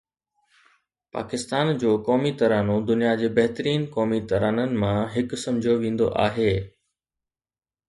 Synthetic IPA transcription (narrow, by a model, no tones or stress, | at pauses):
pa̰ːkɪst̪aːnd͡ʑoːkɔːmit̪ɐɾaːnod̪ʊnijad͡ʑeːbɐɦt̪əɾiːnkɔːmit̪ɐɾaːnənɪ̆mãɦɪksɐ̃md͡ʑʱjoʋẽːn̆d̪o̰ʔaːɦeː